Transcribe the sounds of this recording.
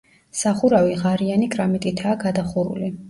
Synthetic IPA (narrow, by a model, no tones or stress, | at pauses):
saχuɾaviʁaɾianikʼɾamit̪ʼit̪ʰaːɡad̪aχuɾṵli